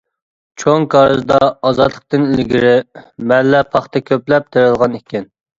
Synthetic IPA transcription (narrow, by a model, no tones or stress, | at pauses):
t͡ʃʰoŋkʰɑɾɨzd̪ɑːzɑt̪lˠə̥q̚t̪ɨnilɡʲiɾɪmɛlːɛpʰɑχt̪ʰɛkʲʰøplɛp̚t̪ʰeɾɨlˠʁɑnikʲɛn